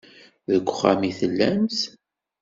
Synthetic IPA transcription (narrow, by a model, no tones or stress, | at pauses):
ðəkʷːχæmiθəlːæms